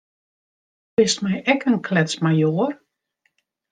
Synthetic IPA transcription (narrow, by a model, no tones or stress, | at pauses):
bɪstmɛjɛkənkʰlɛsmajoər